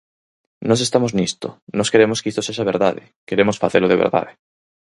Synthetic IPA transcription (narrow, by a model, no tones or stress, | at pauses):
nõs̬est̪amoznist̪onɔskeɾemoskist̪oseʒaβ̞eɾðaðɪ̰ | keɾemosfaθeloðeβḛɾða̰ðe